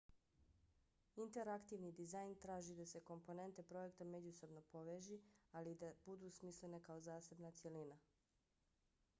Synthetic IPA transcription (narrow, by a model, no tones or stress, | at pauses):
int̪e̞ɾakt̪iʋnid̪izajnt̪ɾaːʒid̪ase̞ko̞mpo̞ne̞nt̪e̞pɾo̞je̞kt̪ame̞d͡ʑuso̞bno̞po̞ʋeːʒialid̪abud̪uːsmisle̞ne̞kao̞zaːse̞bnat̪sʲje̞lina